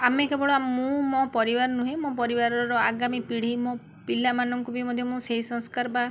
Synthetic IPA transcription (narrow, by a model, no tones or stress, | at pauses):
amekebɔɭoamũmɔpɔɾibaɾɔnũɦẽmõpɔɾibaɾɔɾɔaɡamipiɽ̤imõ | pilamanɔŋkubʱimɔd̪ʱjɔmũseɦisɔ̃skaɾba